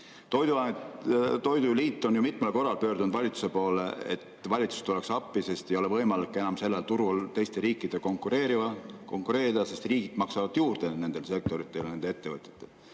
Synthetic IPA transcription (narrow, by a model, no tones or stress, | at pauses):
t̪o̞jd̪uɑ | t̪o̞jd̪uliːt̪ːˑo̞njumit̪ˑmelko̞rːɑlpø̞ːɾd̪und̪̥vɑlʲit̪su̥se̞po̞ːleḛt̪vɑlʲit̪su̥st̪ole̞ksɑpːˑise̞st̪e̞jo̞le̞vɤ̞jmɑlikːˑe̞nɑmse̞lːelt̪uɾult̪e̞jst̪e̞ɾiːkːˑid̪̥e̞ko̞ŋkːˑuɾe̞ːɾivɑko̞ŋkˑuɾe̞ːɾid̪̥ɑse̞st̪riːɡ̥id̪̥mɑksɑvɑd̪̥juːɾd̪̥e̞ne̞nd̪̥e̞lse̞k̚t̪o̞ɾit̪ːˑelne̞nd̪̥ee̞t̪ːe̞vɤt̪ʲˑet̪ːˑe̞l